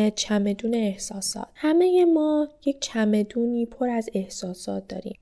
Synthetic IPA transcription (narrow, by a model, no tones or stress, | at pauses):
et͡ʃʰæme̞d̪uːneːhsɒːsɒ̰ːt̪hæme̞jemɒːjec̚t͡ʃʰæme̞d̪uːniːpʰo̞ɾæze̞hsɒːsɒːt̪̚ʰd̪ɒ̰ːɾḭːm